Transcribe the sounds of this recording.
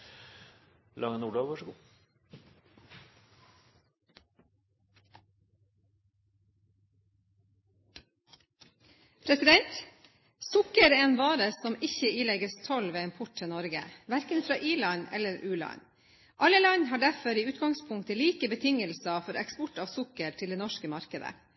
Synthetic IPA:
lɑŋənuːɖoʋʋɑʂ | pʰɾɛsɪd̪ɛnt̪ | sʊkəɾeeːnʋɑːɾəsɔmɪçəiːlɛɡəst̪ʰɔlʋeːɪmpʰʊʈ̚tʰənɔɾɡə̰ʋæɾkənfɾɑ̰ːʔiːɭɑnɛ̰lːəɾʉːlɑ̰n | ʔɑləlɑnhɑːɖæɾfɔɾiːʉːt̪ɡɑŋspʰʊŋkt̪əliːkəbət̪ʰɪŋəlsɑfɔɾɛ̰kspɔʈɑːʋsʊkəɾʈʰɪld̪eːnɔʃkəmɑɾkəd̪ə̰

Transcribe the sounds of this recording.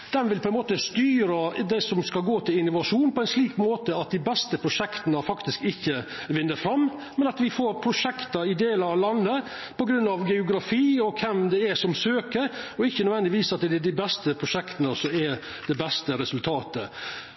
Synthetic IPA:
d̪̥ɛnʋɪlpʰɔɛnmoːt̪əst̪yːɾəd̪ɛsɔmskɑlɡoːt̪ʰɪlɪnːʊʋɑʂuːnpʰɔɛɪnsliːkmoːt̪əɑt̪̚d̪ɪbɛst̪əpʰɾʊʂɛkt̪ənəfɑkt̪ɪskɪçːəʋɪnːəɾfɾɑmːmɛnɑt̪ʋɪfoːɾpʰɾʊʂɛkt̪ɑɾɪd̪eːləɑʋlɑnːə | pʰɔɡɾʉnːɑʋɡɛʊɡɾɑfiːɔkʰɛmd̪ɛæsɔmsøːkəɔɪçːənœʋɛnd̪ɪʋiːsɑt̪̚ɛd̪ɪbɛst̪əpʰɾʊʂɛkt̪ənəsɔɛ | d̪ɛbɛst̪əɾɛsʉlt̪ʰɑːt̪ə

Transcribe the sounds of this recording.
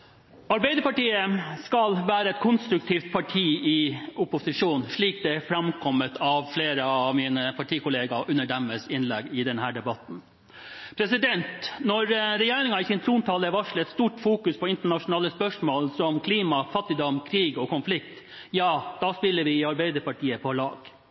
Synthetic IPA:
ɑɾbæɪd̪əɾpɑʈiːəskɑlʋæːɾəɛt̪̚kʰʊnst̪ɾʉk̚t̪ʰiːft̪̚pʰɑʈʰiːɪʊpʊsɪʂuːnʂɭiːk̚d̪ɛfɾɑmkʰɔmːət̪ʰɑʋfleːɾəɑʋmiːnəpʰɑʈʰiːkʰʊleːɡɑʔʉnːəɖɛmːəsɪnlɛɡɪd̪ɛnhæːɖɛbɑt̪n̩ | pʰɾɛsɪd̪ɛnt̪nɔɾɾɛjeːɾɪŋɑɪsɪnt̪ʰɾuːnt̪ʰɑːləʋɑʂɭɛt̪st̪uːʈfuːkʉspʰɔɪnt̪əɳɑʂʊnɑːləspœʂmoːlsɔmkʰliːmɑfɑt̪ːɪd̪ɔmkʰɾiːɡɔkʊnflɪkt̪ | jɑːd̪̥ɑspɪlːəɾʋɪɑɾbæɪd̪əɾpɑʈʰiːəpʰɔlɑ̰ːɡ̥

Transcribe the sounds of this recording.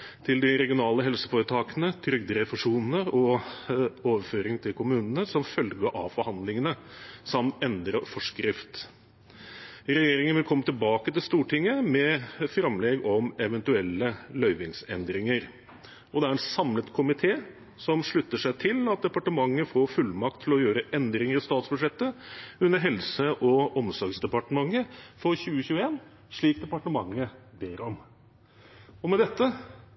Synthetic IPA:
t̪ʰɪld̪ɪɾɛɡɪʊnɑːləɦɛlsəfoːɾət̪ʰɑːkənət̪ʰɾʏɡ̚d̪əɾɛfʊʂuːnnəɔ | oːʋəføːɾɪŋt̪ʰɪlkʰʊmʉːnən̩əsɔmfœlɡəʔɑ̰ʋfɔɾhɑnd̪lɪŋənəsɑmt̪ɛnd̪ɾəfɔʂkɾɪft̪ | ɾɛjeːɾɪŋənʋɪlkʰɔmːət̪ɪlbɑːkət̪ɪlst̪uːʈɪŋːəmɛfɾɑmleːɡɔmɛʋɛnt̪ʉɛlːəlœʏʋɪŋsɛ̰nd̪ɾɪŋəɾ | ɔd̪ɛæɾɛt̪sɑmlət̪kʰʊmɪt̪ʰeː | sɔmʂɭʉt̪ːəʂæɪt̪ʰɪlɑt̪̚d̪ɛpɑʈəmɑŋːəfoːɾfʉlːmɑk̚t̪ʰːɪlɔjøːɾəʔɛnd̪ɾɪŋəɾɔst̪ɑːt̪sbʉʂɛt̪ːəʉnːəɾɦɛlsəʔɔɔmsɔɡsd̪ɛpɑʈəmɑŋːəfɔɾçʉːəçʉːəeːn | ʂɭiːk̚d̪ɛpɑʈəmɑŋːəbeːɾɔm | ɔmɛd̪ɛt̪ːə

